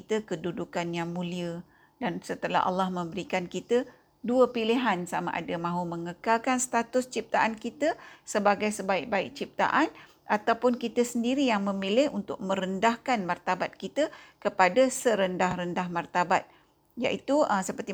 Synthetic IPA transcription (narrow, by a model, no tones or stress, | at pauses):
kit̪əkədudukanjaŋmũliə | dansət̪əla̰ɦʔa̰lːahmə̃mbəɾikankit̪ə | duəpilɪɦansama̰ʔa̰damãɦuməŋəkalkanst̪at̪ʊst͡ʃip̚t̪aʔankit̪əsəbaɡajsəbaɪk̚baɪk̚t͡ʃip̚t̪a̰ʔan | at̪awpʊnkit̪əsəndiɾijaŋmə̃milɪhunt̪ʊ̰k̚mə̃ɾəndahkanmart̪abat̪̚kit̪əkəpadasəɾəndahrəndahmart̪abat̪̚ | ja̰ʔit̪uəsəpərt̪i